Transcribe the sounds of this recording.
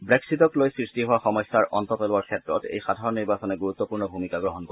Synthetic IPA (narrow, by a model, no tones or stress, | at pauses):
bɹɛksitɔklojsɹistiɦowaxɔmɔjsːaɹʔɔntɔtɔlʊwaɹkʰɛtɹɔtḛjxadʱaɹɔniɹbasɔnɛɡuɹut̪ːɔpuɹnɔbʱumikaɡɹɔɦɔnkɔ